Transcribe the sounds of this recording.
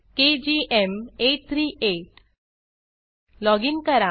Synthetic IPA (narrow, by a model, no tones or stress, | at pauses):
ked͡ʑiʔemeʈ̚t̪ʰɾiːʔeʈ | lɔɡiŋkəɾa